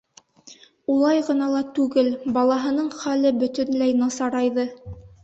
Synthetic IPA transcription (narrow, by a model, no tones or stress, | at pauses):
ulˠɑjʁɤ̆nɑlˠɑt̪ʉɡɘlbɑlˠɑɦɤ̆nɤɴχælɘbɵ̆t̪ɵ̆nlæjnɑsɑɾɑjðɤ